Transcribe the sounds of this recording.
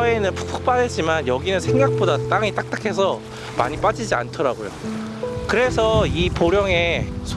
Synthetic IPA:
enɯnpu̥kpʰu̥k̚p͈adet͡ɕ͈imanjʌɡinɯnsʰe̞ŋɡak̚p͈odat͈aŋit͈ak̚t͈akʰe̞s̬ʰʌ | ma̰ɲip͈ad͡ʑid͡ʑia̰ntʰʌɾaɡojo̰ | kɯɾe̞sʰʌipoɾjʌŋe̞sʰ

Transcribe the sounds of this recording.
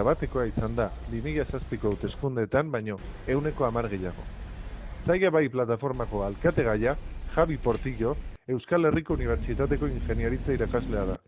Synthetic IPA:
aβat̪e̞ko̞aisand̪aβimiʎasaspiko̞wt̪eskund̪e̞t̪ambajɲo̞e̞wne̞ko̞amaɾɣ̞e̞jaɣ̞o̞̰ | sajaβajplat̪afo̞ɾmako̞alkat̪e̞ɣ̞ajaxaβipo̞ɾt̪iʎo̞e̞wskale̞riko̞uniβ̞e̞ɾt͡ʃit̪at̪e̞ko̞iŋxe̞nieɾit͡saiɾakazle̞að̞a

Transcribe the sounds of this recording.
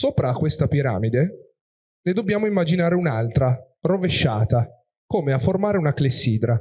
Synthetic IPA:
soːpɾakːwest̪apiɾa̰ːmid̪e | ned̪obːjaːmoimːad͡ʒinaːɾeunalt̪ɾa | roveʃːa̰ːt̪a | koːmeafːormaːɾeunaklesːiːd̪ɾa

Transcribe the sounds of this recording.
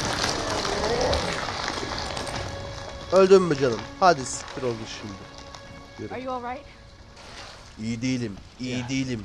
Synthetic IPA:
ølʲd̪yɾmed͡ʒanˠɯmhad̪isi̥iɾolˠd̪uʃimd̪ɪ | eɾjɔɹaɪt | ijid̪ejilʲim | ijid̪ejilʲim

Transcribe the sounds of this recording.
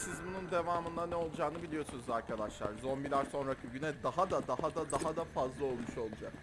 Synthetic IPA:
sizbunund̪e̞vaːmɯnd̪anɛo̞lˠud͡ʒaːnɯbilʲijo̞sunuzaɾkʰad̪aʃlˠa̰ɾzo̞nbilʲaɾso̞nɾakʰɯɟynɛd̪aɦad̪ad̪ahad̪ad̪aɦad̪afazlˠao̞lˠmuʃo̞lˠud͡ʒak

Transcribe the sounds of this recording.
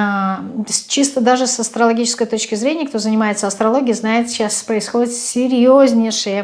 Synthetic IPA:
sʲt͡ɕist̪əd̪aʐɨsɐst̪ɾəlˠɐɡʲit͡ɕɪ̥skəjt̪o̞t͡ɕkʲɪzɾʲenʲɪjək̚t̪o̞zənʲɪmajɪt̪səɐst̪ɾɐlˠo̞ɡʲɪjznajɪt̪ɕaspɾəɪsxo̞dʲɪt̪sʲɪɾʲjozʲnʲɪʂɨjə

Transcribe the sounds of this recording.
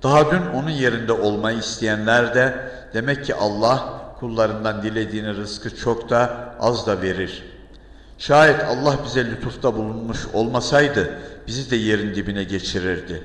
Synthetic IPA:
d̪̥aɦad̪yno̞nunje̞ɾind̪ɛʔo̞lˠmajɯist̪ʰejænlʲæɾd̪ɛ | d̪̥e̞mɛcʰːiʔalˠːahkʰulˠːaɾɯnd̪and̪ilʲe̞d̪iːniɾɯskʰɯt͡ʃʰo̞kt̪ʰaazd̪ave̞ɾiɾ̥ | ʃaːjɛt̪ʰa̰lˠːahbizɛlʲut̪ʰuft̪ʰabulˠunmuʃo̞lˠmasajd̪ɯb̥izid̪ɛje̞ɾind̪ibinɛɟe̞t͡ʃʰiɾiɾd̪ɪ

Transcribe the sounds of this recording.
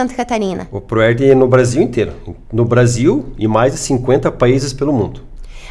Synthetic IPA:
ɐ̃nt̪ɐkat̪aɾĩnɐ̰ʊpɾoɛɾd̪ɪnʊbɾaziwẽnt̪ejɾʊnʊbɾaziwɪmajzd͡ʒɪsĩkwẽnt̪ɐpaizɪspelʊmũnd̪ʊ

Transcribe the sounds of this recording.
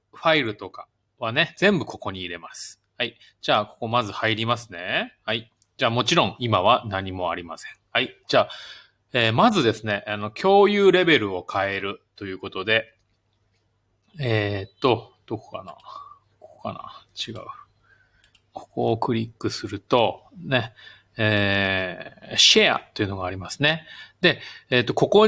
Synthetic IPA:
ɸaiɾɯ̟t̪o̞ka | β̞ane̞z̥ẽ̞mbɯ̟kʰo̞ko̞ɲ̟iːɾe̞masɨ̥ | hai | d͡ʑaːko̞ko̞mazɨhaiɾʲimasɨne̞hai | d͡ʑaːmo̞t͡ɕiɾõ̞ŋ̃imaβ̞anaɲ̟imo̞a̰ɾʲimasẽ̞ɴ̃haid͡ʑaː | eːmazɨd̪e̞sɨne̞ʔano̞kʲʰo̞ːjɯ̟ːɾe̞be̞ɾɯ̟o̞kʰae̞ɾɯ̟t̪o̞jɯ̟ːko̞t̪o̞d̪e̞ | et̪ːo̞d̪̥oko̥kana̰ | koko̥ka̰na̰t͡ɕiɡa̰ɯ̟ | kʰo̥ko̞ːkɯ̟ɾʲikːɯ̟sɨɾɯ̟t̪o̞ne̞ | eː | ɕea̰t̪ːo̞jiɯ̟noɡaːɾʲimasɨ̥ne̞d̪e̞ːt̪ːo̞ko̞ko̞

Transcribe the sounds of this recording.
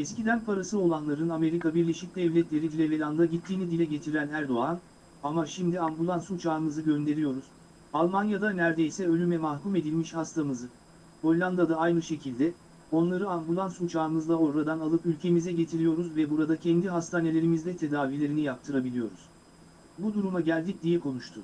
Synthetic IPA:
ɛscid̪ænpʰaɾasɯo̞lˠanlˠaɾɯname̞ɾikabiɾlʲe̞ʃic̚d̪ɛvlʲɛt̪lʲe̞ɾid̪ilʲɛvelʲand̪aɟit̪ʰːiːnid̪ilʲɛɟe̞t̪ʰiɾænæɾd̪o̞an | amaʃimd̪iambulˠansut͡ʃʰaːɾmɯzɯɟø̞nd̪e̞ɾijo̞ɾuz̥ | alˠmanjad̪anæɾd̪e̞jsɛø̞lʲymɛmaxkume̞d̪ilʲmiʃhast̪ʰamɯzɯ | ho̞lʲlʲːˠand̪ad̪aajnɯʃe̞cʰilʲd̪ɛ | o̞nlˠaɾɯambulˠansut͡ʃʰaːɾmɯzlˠao̞ɾɾad̪analˠɯpylʲcʰe̞mizɛɟe̞t̪ʰiɾijo̞ɾuzvɛbuɾad̪acʰɛnd̪iɦast̪ʰaːne̞lʲe̞ɾimizd̪ɛt̪ʰe̞d̪aːvilʲe̞ɾinijap̚t̪ʰɯɾabilʲijo̞ɾuz̥ | bud̪uɾumaɟælʲd̪ic̚d̪ijɛkʰo̞nuʃt̪ʰʊ

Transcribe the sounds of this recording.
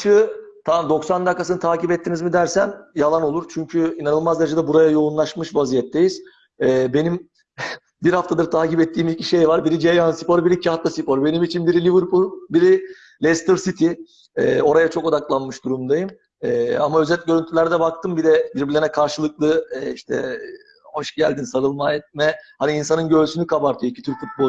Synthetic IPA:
ʃɯt̪ʰad̪o̞ksand̪akːasɯnɯt̪ʰaːcipɛt̪ʰːinizmid̪æɾsænjalˠano̞lˠuɾt͡ʃʰyɲcʰyinanɯlˠmazd̪eɾed͡ʒɛd̪ɛbuɾajajo̞unlˠaʃmɯʃvazijɛt̪ʰːejiz̥ | ɛːbe̞nim | biɾhaft̪ad̪ɯɾt̪ʰaːcipɛt̪ʰːiːmiciʃe̞jvaɾbiɾid͡ʒejansipoɾɯbiɾicʰaɦat̪lˠasipo̞ɾbe̞nimit͡ʃʰinbiɾilʲivɯɾpulˠbiɾi | lʲɛst̪ʰɯɾsit̪ʰi | ɛ̰ːo̞ɾajat͡ʃʰo̞ko̞d̪aklˠanmɯʃd̪uɾumd̪ajɯm | ɛːamaø̞zɛt̪ɟø̞ɾynt̪ʰylʲæɾd̪ɛbak̚t̪ʰɯmbid̪ɛbiɾbilʲɛnɛkʰaɾʃɯlˠɯklˠɯːiʃt̪ʰɛ̰ | ho̞ʃɟælʲd̪insaɾɯlˠmajɛt̪̚mɛhaniːnsanɯnɟø̞lsynykʰabaɾt̪ʰyjicʰi̥t̪ʰyɾfut̪̚bo

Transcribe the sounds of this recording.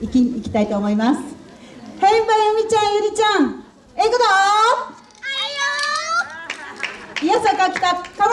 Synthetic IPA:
ikʲiikʲi̥t̪ait̪o̞ːmo̞imasɨ̥hẽmbaɯmʲit͡ɕãɰ̃jɯɾʲit͡ɕãŋ | ekɯd̪o | ijasakakʲi̥t̪aka

